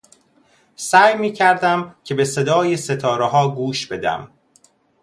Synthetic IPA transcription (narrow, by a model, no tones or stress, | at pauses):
sæːjmiːcʰæɾd̪æmcʰe̞be̞se̞d̪ɒːjese̞t̪ʰɒːɾeɦɒːɡuːʃbe̞d̪æ̰m